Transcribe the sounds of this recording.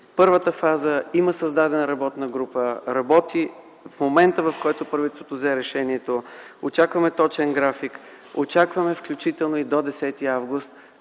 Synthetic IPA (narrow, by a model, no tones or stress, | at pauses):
pɤɾvət̪əfazəiməsɐzd̪ad̪ɛnəɾɐbɔt̪nəɡɾupəɾɐbɔt̪i | fmomɛnt̪əvɐfkɔjt̪opɾɐvit̪st̪ot̪ozɛɾɛʃɛniɛt̪oot͡ʃakvɐmɛt̪ɔt͡ʃɛnɡɾafik | ot͡ʃakvɐmɛfklʲut͡ʃit̪ɛlˠnoid̪od̪ɛsɛt̪iavɡʊst̪